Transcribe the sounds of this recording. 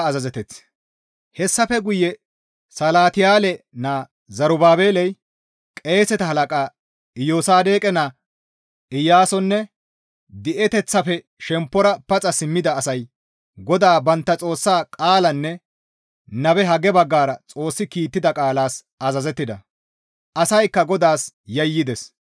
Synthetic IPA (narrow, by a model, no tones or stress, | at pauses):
ɐzɐzɛt̪ɛt͡s | hɛsːɐfɛɡʊjːɛ | sɐlaːt̪ɪjaːlɛnaː | zɐɾʊbaːbeːlɛj | kʼe̞ːsɛt̪ɐɦɐlɐkʼaː | ɪjoːsaːd̪e̞ːkʼɛna | ɪjːaːsɔnːɛ | d̪ɪʔɛt̪ɛt͡sːɐfɛ | ʃɛmpːɔɾɐpɐt͡sʼɐsɪmːɪd̪ɐːsɐj | ɡɔd̪aːbɐnt̪ːɐt͡sʼo̞ːsːaːkʼaːlɐnːɛ | nɐbɛɦɐɡɛbɐɡːaːɾɐt͡sʼo̞ːsːɪkiːt̪ːɪd̪ɐkʼaːlaːs | ɐzɐzɛt̪ːɪd̪ɐ | ʔɐsɐjkːɐɡɔd̪aːs | jɐjːɪd̪ɛs